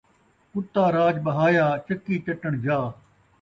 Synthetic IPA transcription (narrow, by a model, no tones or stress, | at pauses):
kʊt̪ːaːɾaːd͡ʒɓɐɦaːjaːt͡ʃɐkiːt͡ʃɐʈəɳ̃d͡ʒaː